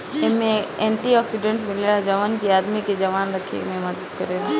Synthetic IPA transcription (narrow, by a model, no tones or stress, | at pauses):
ɪmẽẽːɳʈiɔːksɪɖẽɳʈmɪlelad͡ʒɐʋaːnkiaːd̪miked͡ʒɐʋaːnɾɐkʰḛmẽmɐd̪əd̪kɐɾeːla